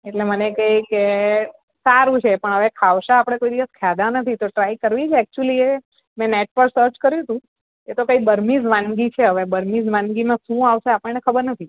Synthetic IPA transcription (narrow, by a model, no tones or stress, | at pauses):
eʈlemənekəike | saɾũt͡ʃʰepəɳɦəʋekʰaʋʃaapəɽ̃ekoid̪iʋəskʰjad̪ãnət̪ʰit̪oʈɾaikəɾʋit͡ʃʰeɛk̚t͡ʃuəlie | mɛ̃neʈ̚pəɾsəɾt͡ʃkəɾjũt̪ũ | et̪okaibəɾmid͡ʒʋãnɡit͡ʃʰeɦəʋebəɾmid͡ʒʋãnɡimãʃũaʋʃeapəɳnekʰəbəɾnət̪ʰi